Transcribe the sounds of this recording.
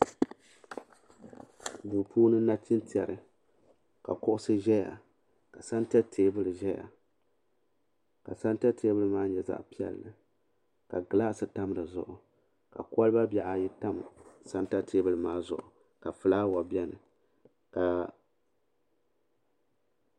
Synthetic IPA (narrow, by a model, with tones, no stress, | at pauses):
bu˨pʰuː˦nɨ˦na˦t͡ʃi˦nti˨ɛ˨ɾɨ˨ | ka̰˨kʊ˦ʔʊ˦sɨ˦ʒɛ˦ja̰˨ | ka˨sa˦nta˦tʰeː˦bɨ˦lɨ˨ʒɛ˦ja̰˨ | ka˨sa˦nta˦teː˦bɨ˦lɨ˦maː˦ɲɛ˨za̰˦ʔpi˦ɛ̰˨˦lːɨ˨ | ka˨ɡɨ˨la˦sɨ˨ta˦m˦ɾɨ˨zʊ̰˨ʔʊ˨ | ka̰˨ka˦lɨ˦ba˦bɛ˨ʔa˨ji˦ta˦msa˦nta˦tʰeː˦bɨ˦lɨ˨maː˦zʊ̰˨ʔʊ˨ | ka˨fɨ˨laː˦wa˨bjɛ˦nɨ˨ | ka˨